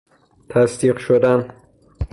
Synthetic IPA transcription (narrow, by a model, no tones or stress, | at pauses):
t̪ʰæsd̪iːqʃod̪æn